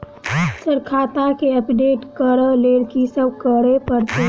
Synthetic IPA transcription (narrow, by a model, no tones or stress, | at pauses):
səɾkʰaːt̪akeəpɖeːʈkəɾəleːɽkisəbʱkəɽepəɾt̪e